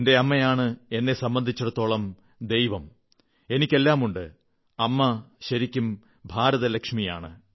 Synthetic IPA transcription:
nde̞ɐmːɐjaːɳɨe̞nːe̞sɐmbɐnd̪ʱit͡ɕːɐɽut̪ːo̞ːɭɐm | d̪e̞jʋɐm | e̞nikʲːe̞lːaːmuɳɖɨ | ɐmːɐɕɐɾikʲːum | bʱaːɾɐðɐlɐkʂmija̰ːɳɨ̰

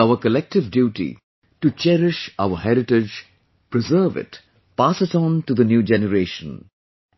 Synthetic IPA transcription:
aʊəkəlɛk̚ʈɪʋdjuːʈḭ | ʈut͡ʃɛɾɪʃaʊəɦɛɾɪʈɪd͡ʒ | pɹɪzəːʋɪ̰t | paːsəsɔ̃nʈud̪ənjuːd͡ʒɛnəɾeːʃə̃n

